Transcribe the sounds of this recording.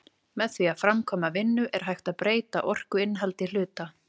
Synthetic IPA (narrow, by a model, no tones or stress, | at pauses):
mɛðθviafɾamkʰɔːmavɪnːʏʔɛɾ̥ɦajxt̪aðpɾeːjt̪aʔɔr̥kʏɪnɦalt̪ɪl̥ʏːt̪a